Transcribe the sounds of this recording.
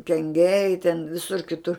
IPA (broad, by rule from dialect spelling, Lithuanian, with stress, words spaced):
kʲɛŋʲˈɡʲɛɪ tʲɛn ˈʋʲɪsʊr kʲɪˈtʊr